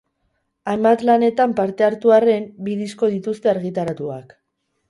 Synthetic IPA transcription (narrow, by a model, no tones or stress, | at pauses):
ajmbat̪lane̞t̪ampaɾt̪e̞aɾt̪uare̞mbiðisko̞ð̞it̪ust̪e̞aɾɣit̪aɾat̪ua̰k